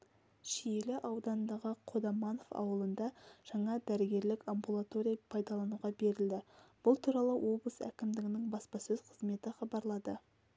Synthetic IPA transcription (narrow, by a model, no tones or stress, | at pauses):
ʃijelɪʔɑwd̪ɑnd̪ɑʁəqʰo̞d̪ɑmɑno̞fɑ̰wəlˠənd̪ɑʒ̥ɑɴɑd̪æɾɪɡʲe̞ɾlɪkambulˠat̪o̞ɾʲijɑpʰɑjd̪ɑlˠɑnuʁɑbe̞ɾɪld̪ɪb̥ʊlˠt̪ʰuɾɑlˠəwʔo̞blˠəsæ̰kʲɪmd̪ɪɡʲɪnɪŋbɑspɑsɵz̥qʰəzme̞t̪ɪχɑbɑɾlˠɑd̪ə